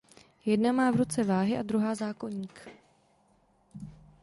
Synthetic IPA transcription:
jɛdnamaːvɾut͡sɛvaːɦɪʔad̪ɾuɦaːzaːko̞ɲiːk

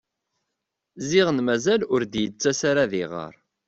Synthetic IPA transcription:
ziʁənmæzælʊɾd̪jət͡sːæsaɾaðiʁə̰ɾˤ

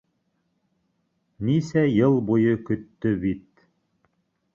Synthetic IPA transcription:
nisæjɤlˠbujɤkɵ̆t̪ːɵbit̪

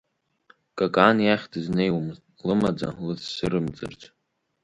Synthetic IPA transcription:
kʼakʼanjaχʲdʰɨznejwmɨzʼ | lɨmad͡za̰lɨssɨɾɨmt͡sʼɨ̰rt͡sʼ

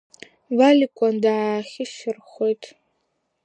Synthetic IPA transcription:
valikʷʼandaʕaːχʲɪʃɪrχʷojtʼ

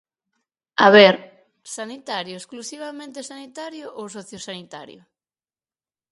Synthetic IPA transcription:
aβɛɾ | sanit̪aɾjʊesklusiβamẽnt̪esanit̪aɾjʊʔowsɔθjosanit̪a̰ɾjʊ̰

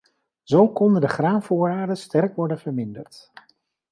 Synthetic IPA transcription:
z̥owkɔndədəχraːnvʊːɹaːɹdənstɛrkʋɔɹdənvəɹmɪndəɹt

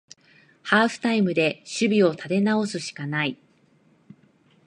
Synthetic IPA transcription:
haːɸɯ̟̥t̪aimɯ̟d̪e̞ɕɨbʲio̞t̪ʰat̪e̞nao̞sɨɕi̥kanai

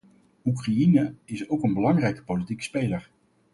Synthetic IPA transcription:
ukrajinəɪsowkənbəlɑŋrɛjkə̥powlitikspejləɹ

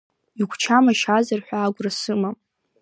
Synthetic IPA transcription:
iɡʷʰt͡ʃʰamaʃazarħᶣʷaːɡʷrasɨma

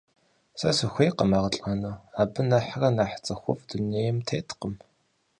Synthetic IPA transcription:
sɐsɨxʷejqəmaːʁɐɬʼanoːaːbɨnɐħrɐnaːħt͡sʼɐxʷʊ̰vduneːjmtʰeːtqəm

